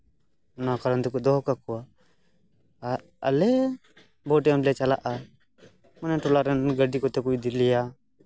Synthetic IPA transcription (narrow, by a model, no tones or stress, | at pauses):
ɔnakaɾant̪ɛkud̪ɔɦkakɔa | a̰lɛ | bɔʈɛamlɛt͡ʃalaʔa | manɛʈɔlaɾɛnɡəɖikɔt̪ɛkuid̪ilɛja